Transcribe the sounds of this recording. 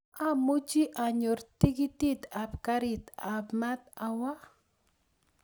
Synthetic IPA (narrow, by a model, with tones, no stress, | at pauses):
a˦mu˦d͡ʒi˦ʔa˨ɲo˨ɾt̪i˦ɡi˦t̪i˦t̪a˨pka˦ɾi˨t̪a˨bma˦t̪a˨wa˦